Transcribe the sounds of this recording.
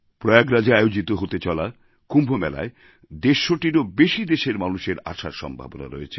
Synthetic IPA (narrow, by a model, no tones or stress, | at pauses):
pɾɔeaɡɾad͡ʑaajod͡ʑit̪oɦot̪et͡ɕɔla | kumbʱomɛla̰e | d̪eʃːoʈiɾobeʃid̪eʃeɾmanuʃeɾa̰ʃaɾʃɔ̰mbʱa̰bona̰ɾoet͡ɕʰe